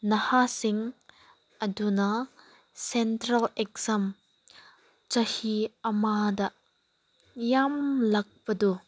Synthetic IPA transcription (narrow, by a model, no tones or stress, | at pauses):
nɐhasiŋ | ɐdunɐ | sentɾɐlek̚zɐm | t͡ʃɐhiɐmadɐ | jamlɐk̚pɐdu